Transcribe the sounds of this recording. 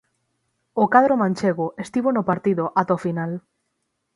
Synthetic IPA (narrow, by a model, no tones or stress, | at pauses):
ʊkað̞ɾomãnʲt͡ʃeɣʊʔest̪iβonʊpaɾt̪iðʊʔat̪ofinal